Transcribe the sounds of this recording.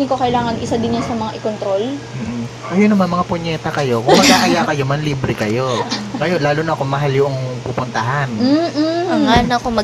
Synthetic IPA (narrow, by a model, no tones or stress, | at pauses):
ɪnkokɐɪlaːŋɐnʔɪsad̪ɪnjʊnsɐmɐŋaʔɪkont̪ɾolm̩ːʔ̩ | ʔɐjʊnːɐmanmɐŋapoɲɛːt̪ɐkɐjo̞koŋmɐɡaːʔajakɐjomɐnliːbɾɪkɐjo̞ŋɐjonlaːlunɐʔɐkomɐɦaljʊʔŋpuːpʊnt̪ɐɦan̩ɐanɐkomɐ